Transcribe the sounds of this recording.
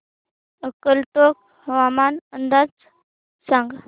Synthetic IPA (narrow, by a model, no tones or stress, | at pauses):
əkəlt̪ok | ʋamanənd̪at͡s | saŋɡ